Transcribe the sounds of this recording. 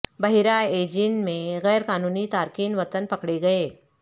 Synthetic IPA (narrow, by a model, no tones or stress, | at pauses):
bɐɦɪɾaeːd͡ʒinmẽɣɛːɾkaːnuːnit̪aːɾkiːnʋɐt̪ənpɐkɽeɡɐeː